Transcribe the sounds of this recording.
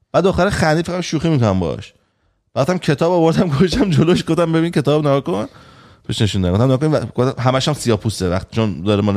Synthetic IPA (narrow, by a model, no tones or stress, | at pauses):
b̥æːd̪oxæɾexænːifeɣæʃuːximikonæmbɒ̰ʃ | b̥æt̪æmkʲʰe̞t̪ʰɒːbɒvoɾd̪æmɡoʃt̪æmd͡ʒoloʃ̬ɡofd̪æmbebinkʲcʰe̞t̪ɒːbneɡɒkon | pʰiʃne̞ʃund̪ækofd̪æmneɡɔkonɡ̥ofd̪æmɦæmæʃhæmsijɒːpʰusevæχt̪i̥t͡ʃʰond̪ɒɾemɒn